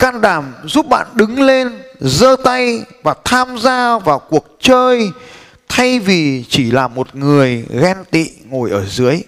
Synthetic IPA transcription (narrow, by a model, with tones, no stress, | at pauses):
kaː˧nɗaː˧˩mzu˦˥p̚ɓa̰ː˧˨nɗɨ˨˦ŋle˧nzəː˧t̪a˧jvaː˨˩t̪ʰaː˧mzaː˧vaː˨˩wku˨˩ək̚t͡ɕəː˧j | t̪ʰa˧jvi˨˩t͡ɕi˧˩laː˨˩mo˨˩t̚ŋɨ˨˩əjɣɛ˧nt̪ḭ˧˨ŋo˨˩jʔəː˧˩zɨ˨˦əj